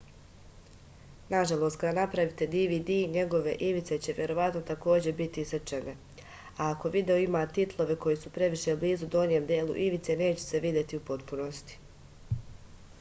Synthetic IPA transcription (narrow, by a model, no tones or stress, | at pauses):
naʒalˠo̞ːst̪̚kad̪anapɾaʋit̪e̞d̪iːʋiːd̪iːjɲe̞ɡo̞ʋe̞ʔiʋit̪se̞t͡ɕe̞ʋje̞ɾo̞ʋat̪no̞t̪ako̞ːd͡ʑe̞bit̪ist͡ʃene | aːko̞ʋid̪e̞o̞imaːt̪it̪lˠo̞ʋe̞ko̞jisupɾe̞ʋiʃe̞bliːzud̪o̞nje̞ːmd̪jeːlˠṵʔiʋit̪se̞ne̞ːt͡ɕese̞ʋid̪ʲje̞t̪iupo̞t̪puno̞st̪i̥